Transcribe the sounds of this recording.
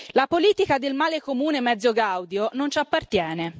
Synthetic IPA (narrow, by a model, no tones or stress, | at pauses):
lapoliːt̪ikad̪elmaːlekomuːnemɛd̪zːoɡawd̪jonont͡ʃapːart̪jɛːne